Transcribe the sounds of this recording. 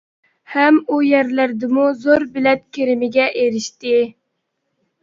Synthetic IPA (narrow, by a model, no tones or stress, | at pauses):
hɛmujɛɾlæɾd̪ɪmuzoɾbɪlɛt̪̚kʲʰeɾɪmɪɡʲɛʔeɾɪʃt̪ɪ